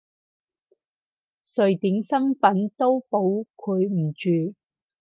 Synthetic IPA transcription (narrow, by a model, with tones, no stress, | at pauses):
sɵ˨ɥt̪iː˨˥ŋsɐ˥nfɐ˨˥nt̪o˥wpo˨˧˥wkʰɵ˨˧˥jm̩˨˩t͡ʃyː˨˧